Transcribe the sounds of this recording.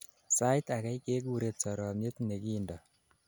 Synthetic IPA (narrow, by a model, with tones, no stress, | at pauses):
sa˦jt̪a˨kɛ˦jkeː˦k̬u˦ɾe˨t̪̚sɔ˨ɾɔː˨mje˦t̪ne˨ki˦ndɔ˨